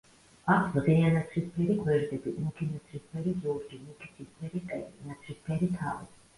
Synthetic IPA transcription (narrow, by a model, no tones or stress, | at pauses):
akʰzʁɛanat̪sʰɾispʰɛɾiɡʰwɛɾd̪ɛbiuukʰinat̪sʰɾispʰɛɾizɔɾd͡ʒimukʰit̪sʰispʰɛɾiqʼɛinat̪sʰɾispʰɛɾit̪ʰa̰vḭ